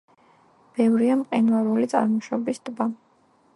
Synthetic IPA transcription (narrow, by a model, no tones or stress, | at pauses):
b̥ɛvɾiamqʼinvaɾulit̪sʼa̰ɾmɔʃɔbisd̪̥ba